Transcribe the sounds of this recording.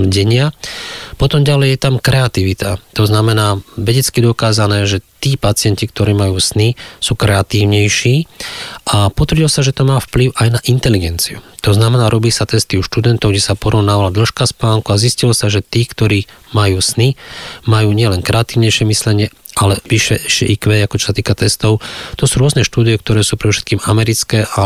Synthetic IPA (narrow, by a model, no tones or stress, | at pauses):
ɟɛɲɪapɔt̪ɔmɟalɛjjɛt̪amkɾɛat̪iʋit̪at̪ɔznamɛnaːʋɛɟɛt͡skid̪ɔkaːzanɛːʒɛt̪iːpat͡sɪɛncik̚t̪ɔɾiːmajuːsnisuːkɾɛat̪iːʊɲɛjʃiːʔapɔt̪ʋəɾɟilɔsaʒɛt̪ɔmaːfpliʊʔajnaʔint̪ɛliɡɛnt͡siṵt̪ɔznamɛnaːɾɔbilisat̪ɛst̪iuʃt̪ud̪ɛnt̪ɔʊɡɟɛsapɔɾɔʊnaːʋalad̪l̩ʃkaspaːŋkuaziscilsaʒɛt̪iːkt̪ɔɾiːmajuːsnimajuːɲɪɛlɛŋkɾɛat̪iːʊɲɛjʃɪɛmislɛɲɪɛalɛʋiʃɛʃɛ̰ʔikʋɛːakɔt͡ʃɔ̥sat̪iːkat̪ɛst̪ɔʊt̪ɔsuːɾʊɔznɛʃt̪uːd̪ijɛk̚t̪ɔɾɛːsuːpɾɛd̪ɔfʃɛt̪̚kiːmamɛɾit͡skɛːʔa